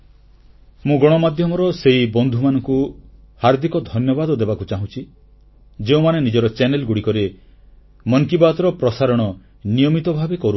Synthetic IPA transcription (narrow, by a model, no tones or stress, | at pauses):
mũɡɔɽ̃ɔmad̪ʱjɔmɔɾɔseɦibɔnd̪ʱumanɔŋku | haɾd̪ʱikɔd̪ʱɔnjɔbad̪ɔd̪ebakut͡ʃaɦũt͡ʃʰi | d͡ʒeũmanenid͡ʒɔɾɔt͡ʃenelɡuɽikɔɾe | mɔŋkibat̪ɔɾɔpɾɔsaɾɔɽ̃ɔ | nijɔmit̪ɔbʱabekɔɾu